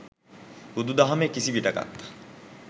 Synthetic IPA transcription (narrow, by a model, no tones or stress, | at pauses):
ud̪ud̪ɐɦɐmekːisibiʈɐɡɐ̰t̪ːɐ̥